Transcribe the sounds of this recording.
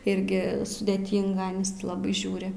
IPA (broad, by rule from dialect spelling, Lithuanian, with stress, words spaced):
ˈɪrʲɡʲɪ sʊdʲeːˈtʲiːŋɡɐ ˈɑːnʲɪs tʲɪ ˈlˠɑːbɐɪ ˈʒʲuːrʲɪ